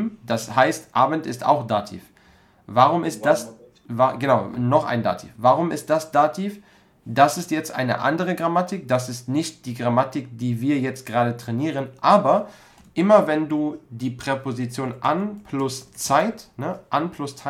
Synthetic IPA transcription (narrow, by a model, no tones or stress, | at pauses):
md̥ashaɪstʔaːbən̩tɪsta̰ʊxd̥aːtʰḭːf | vaʁʊmɪst̚d̥as | vaɡ̥ənaʊnɔχʔa̰ɪnda̰ːtʰḭːfvaʁʊmɪ̰st̚d̥asd̥aːtʰiːf | d̥asɪstjɛt͡stʔa̰ɪnə̰ʔa̰ndəʁəɡʁamatɪkd̥asɪstnɪçt̚d̥iːɡʁamatɪk̚d̥iːviːɐjɛt͡st̚ɡ̥əʁaːdətʁ̥ɛniːʁənʔaːbɐ | ʔɪmɐvɛnduːdiːpʁ̥epozit͡sjoːnʔa̰npʰlʊst͡saɪtnəʔanpʰlʊst͡sa